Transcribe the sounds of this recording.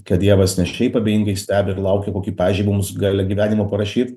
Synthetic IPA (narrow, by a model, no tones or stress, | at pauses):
kɐt̪̚d̪ʲiɛʋɐsnʲɛʃʲɛɪpɐbʲeːjɪŋɡɐɪsʲt̪ʲæːbʲɛɪɾlˠɐʊkʲɛkoːkʲiːpɑːʋʲɪʒd͡ʒʲɛɪmmʊsɡɑːlʲɛɡʲiːʋʲæːnʲɪmopɐɾɐʃʲiːt̪